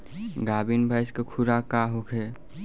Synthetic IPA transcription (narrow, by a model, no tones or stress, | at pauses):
ɡaːbinbʱajskekʰuɾakaɦokʰe